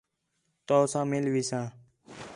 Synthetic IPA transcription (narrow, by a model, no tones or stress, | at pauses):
t̪oːsãːmɪlʋiːsãː